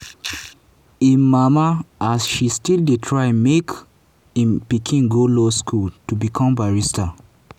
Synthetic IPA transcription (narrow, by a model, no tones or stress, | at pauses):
ĩmamaasʃistildetʰɹaɪmek | ĩpikʰĩnɡoloskʰultubikʰɔ̃mbaɹista